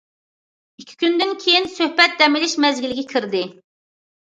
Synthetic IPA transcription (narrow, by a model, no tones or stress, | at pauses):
ikʲʰːi̥kʲynd̪ɪnkʲʰejinsøhbɛt̪̚d̪ɛmɪlɪʃmɛzɡʲilɪɡʲɛkʲʰiɾd̪ɪ